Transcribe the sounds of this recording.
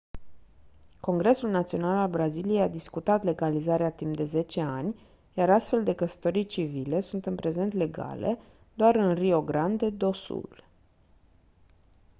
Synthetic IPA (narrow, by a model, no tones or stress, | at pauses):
ko̞ŋɡɾe̞sulnat̪sio̞nalalbɾazilijejad̪iskut̪at̪le̞ɡalizaɾeat̪imd̪e̞ze̞t͡ʃe̞anʲ | jaɾast̪fe̞ld̪e̞kəsə̥t̪oɾijt͡ʃivile̞sunt̪ɨnpɾe̞ze̞nt̪le̞ɡa̰le̞̰ | d̪oaɾɨnrio̞ɡɾand̪ed̪o̞sṵl